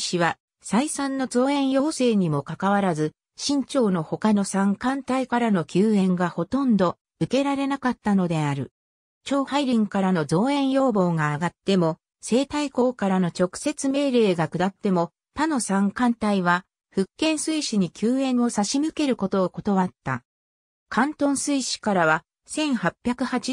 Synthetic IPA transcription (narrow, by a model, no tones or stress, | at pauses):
ɕiβa | saisãnːo̞zo̞ːẽ̞ɰ̃jo̞ːse̞ːɲ̟imo̞kakaβaɾazɨ | ɕĩɲ̟t͡ɕo̞ːno̞ho̞kano̞sãŋkãnt̪aikaɾano̞kʲʰɨːẽ̞ŋɡaho̞t̪õ̞nd̪o̞ | ɯ̟ke̞ɾaɾe̞nakat̪ːano̞d̪e̞aɾɯ̟̰ | t͡ɕo̞ːhaiɾʲĩŋkaɾano̞zo̞ːẽ̞ɰ̃jo̞ːbo̞ːɡaːɡat̪ːe̞mo̞ | se̞ːt̪aiko̞ːkaɾano̞t͡ɕo̞kɯ̟̥se̞t͡sɨme̞ːɾe̞ːɡakɯ̟d̪at̪ːe̞mo̞ | t̪ano̞sãŋkãnt̪aiβa | ɸɯ̟kːẽ̞ɰ̃sɨiɕiɲ̟ikʲʰɨːẽ̞ɰ̃o̞saɕimɯ̟ke̞ɾɯ̟ko̞t̪o̞ːko̞t̪o̞βat̪ːa̰ | kãnt̪õ̞ɰ̃sɨiɕi̥kaɾaβa | sẽ̞ɰ̃hapʲːjakɯ̟hat͡ɕi